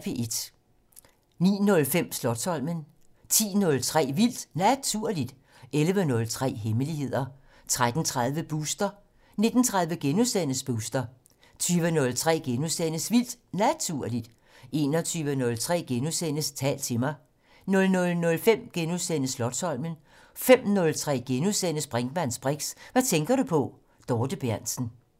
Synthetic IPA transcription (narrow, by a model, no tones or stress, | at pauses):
peʔe̝d̥ | nḭːnɔ̽lfem̰slɒ̽d̥sɒ̽l̰mən | t͡sʰḭːnɔ̽lt͡sʰʁɛ̰ːʋil̰d̥næt͡sʰuɐ̰lid̥ | elʋənɔ̽lt͡sʰʁɛ̰ːɦeməlihe̝ð̞̰ˠɐ | t͡sʰʁad̥n̩t͡sʰʁað̞ˠʋəb̥uːsd̥ɐ | ne̝d̥n̩t͡sʰʁäðˠʋəɡ̥enusen̰əsb̥usd̥ɐ | t͡sʰyːʋənɔ̽lt͡sʰʁɛ̰ːɡ̥enusenəsʋil̰d̥næt͡sʰuɐ̰lid̥ | e̝ːnɒ̽t͡sʰyːʋənɔ̽lt͡sʰʁɛ̰ːɡ̥enusenəst͡sʰɛ̰ːld̥̚t͡sʰe̝mɑ̈ɪ | nɔ̽lnɔ̽lnɔ̽lfem̰ɡ̥enusenəslɒ̽d̥sɒ̽lmən | fem̰nɔ̽lt͡sʰʁɛ̰ːɡ̥enusen̰əsb̥ʁɛŋɡ̥mæn̰sb̥ʁeɡ̥sʋæt͡sʰeŋɡ̥ɐɾ̥upʰɒ̽ | d̥ɒːd̥əb̥jæɐ̰nsn̩